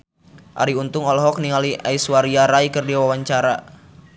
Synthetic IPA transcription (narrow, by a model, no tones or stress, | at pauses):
ʔa̰ɾiunt̪ʊŋɔlɦɔk̚niŋaliʔaiswaɾiaɾaikərdiawawaɲt͡ʃaɾa